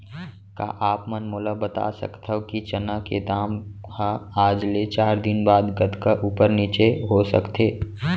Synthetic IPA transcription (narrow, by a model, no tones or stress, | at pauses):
ka̰ʔaːpmənmoːlabət̪a̰sə̰kt̪ʰəkit͡ʃənaked̪aːmhaaːd͡ʒlet͡ʃaːɾd̪ɪnbaːd̪ɡət̪kaʔuːpəɾniːt͡ʃeɦosə̰kt̪ʰeː